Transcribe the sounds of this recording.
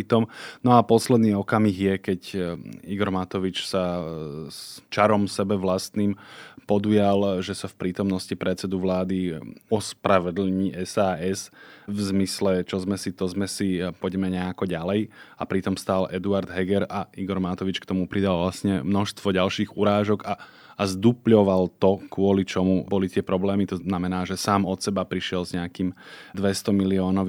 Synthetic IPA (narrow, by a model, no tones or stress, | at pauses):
it̪ɔmnɔapɔslɛd̪niːɔkamiɣjɛkɛɟiɡɔɾmat̪ɔʋit͡ʃsa | st͡ʃaɾɔmsɛbɛʋlast̪niːmpɔd̪ujalʒɛsafpɾiːt̪ɔmnɔscipɾɛt̪t͡sɛd̪uʋlaːd̪iɔspɾaʋɛd̪l̩ɲiɛsaːɛsvzmislɛt͡ʃɔzmɛsit̪ɔzmɛsipɔɟɛmɛɲɛakɔɟalɛjapɾit̪ɔmst̪aːlʔɛd̪uaɾd̪ɦɛɡɛɾaiɡɔɾmat̪ɔʋit͡ʃkt̪ɔmupɾid̪alʋlasɲɛmnɔʃst̪ʋɔɟalʃiːɣuɾaːʒɔɡaː | zd̪upʎɔʋalt̪ɔkʊɔlit͡ʃɔmubɔlit̪ɪɛpɾɔblɛːmit̪ɔnamɛnaːʒɛsaːmɔt̪sɛbapɾiʃɪɛlzɲɛakiːmd̪ʋɛst̪ɔmiliɔːnɔʋ